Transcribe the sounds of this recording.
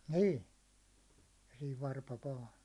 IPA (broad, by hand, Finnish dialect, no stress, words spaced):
niː jɑ siːʋ ʋɑrpɑ ʋɑː